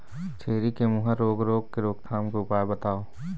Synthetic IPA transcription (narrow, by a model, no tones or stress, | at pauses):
t͡ʃʰeːɾikemuɦəɾoːɡɾoːɡ̚keɾoːɡt̪ʰaːmkeʊpaːebət̪aːo